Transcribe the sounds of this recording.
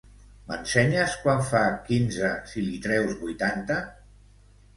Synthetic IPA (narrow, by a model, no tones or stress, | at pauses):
mə̰nsɛɲəskwaɱfakinzəsilit̪ɾɛwzβujt̪ant̪ə